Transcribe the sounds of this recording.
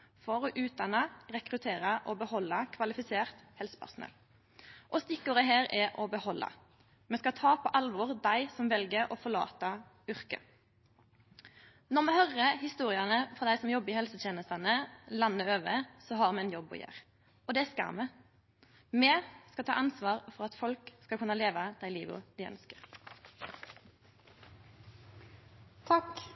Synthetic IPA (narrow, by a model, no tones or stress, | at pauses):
fɔɾɔʔʉːt̪̚d̪ɑnɑʁɛkɾʉt̪ʰeːʁɑʔɔbəhɔlːɑkʰʋɑlɪfɪseːʁt̪hɛlsə̥pʰæ̰ʁsʊnɛ̰l | ʔɔst̪ɪkːʊʁəɦeːɾɛʔɔbəhɔlːʔɑ̰ | mɛskɑt̪ʰɑːpʰɔʔɑlʋɔʁd̪æɪsɔmʋɛlɡəɾɔfɔʁɭɑ̰ːt̪ɑ | ʏʁkə̰ | nɔʁmɛhœʁəhɪst̪uːʁɪɑnəfʁɑd̪æɪsɔmjɔbːɪːhɛlsət̪jeːnəst̪ɑnəlɑnːəøːʋə̰sɔɦɑʁmɛːɛnjɔbːɔ̰jø̰ːʁ | ɔd̪ɛæskɑ̰ʁmə | meːskɑt̪ʰɑ̰ːʔɑnsʋɑːʁfɔʁɑt̪fɔlkskɑkʰʉnːɑleːʋɑd̪̥æɪlḭːʋə̰d̪̥æɪœ̰nskəʁ | t̪ʰɑk